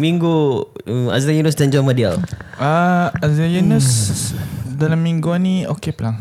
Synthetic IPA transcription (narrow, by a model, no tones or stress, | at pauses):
miŋɡuma̰zajunus̬tand͡ʒɔmadia̰laazajunus | dalamːiŋɡuanĩokeplaŋ